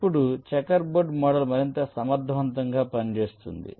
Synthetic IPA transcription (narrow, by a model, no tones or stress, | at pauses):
ipːuɽut͡ʃɛkɐɾboːɖmɔːɽɐlmɐɾint̪ɐsɐmɐɾd̪ʱɐʋɐnt̪ɐŋɡaːpɐnit͡ʃe̞ːst̪ṵnd̪ḭ